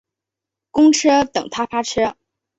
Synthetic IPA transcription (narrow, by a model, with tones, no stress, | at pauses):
kʊ˥ŋʈ͡ʂʰɤ˥t̪ɤ̰˨˩ŋt̪ʰa˥fa˥ʈ͡ʂʰɤ˥